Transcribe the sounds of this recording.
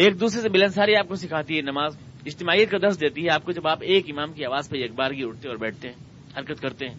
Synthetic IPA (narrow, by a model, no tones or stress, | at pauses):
eːk̚d̪uːsɾesemɪlənsaːɾiaːp̚kosɪkʰaːt̪iɦɛnɐmaːz | ɪd͡ʒt̪ɪmaːijət̪̚kad̪ɐɾsd̪eːt̪iɦɛaːp̚kod͡ʒɐbaːpeːkɪmaːmkiaːʋaːzpɐjɐk̚baːɾɡiʊʈ̚t̪eɔːɾbɛːʈ̚ʰt̪eɦɛ̃ː | hɐɾkət̪kɐɾt̪eɦɛ̃ː